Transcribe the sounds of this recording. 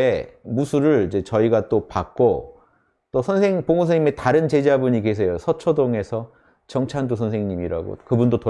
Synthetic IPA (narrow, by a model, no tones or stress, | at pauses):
emusʰuɾɯɭid͡ʑe̞t͡ɕʌiɡat͈opak̚k͈o | t͈osʰʌnsʰe̞ŋpoŋonsʰʌŋɲime̞taɾɯnt͡ɕe̞d͡ʑabuɲikesʰe̞josʰʌt͡ɕʰʌdoŋe̞sʰʌ | t͡ɕʌŋt͡ɕʰandusʰʌnsʰeŋɲimiɾa̰ɡo̰kɯbundoto